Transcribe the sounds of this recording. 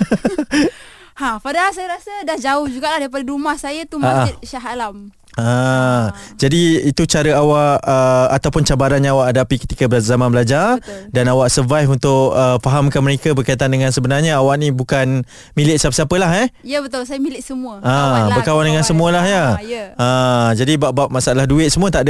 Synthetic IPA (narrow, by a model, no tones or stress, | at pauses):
apadahalsajaɾasədahd͡ʒaʊhd͡ʒuɡaʔlahdaɾipadaɾumahsajat̪umaʔaɪt̪̚ʃaɦalam | a | d͡ʒadiit̪ut͡ʃaɾəawaʔəat̪awpʊnt͡ʃabaɾanɲaawaʔadapikə̥t̪ikabzamanbəlad͡ʒardanawaʔsəvajfunt̪ʊʔəfaɦamkanməɾekabərkajt̪andəŋãnsəbənarɲaawaʔnibukan | milɪʔsəapəsapəlaɦɛjəbət̪olsajəmilɪʔsəmũəabəkawandəŋansəmũəlahjajad͡ʒadibaʔbaʔmasaalahduɪt̪̚səmuət̪aʔd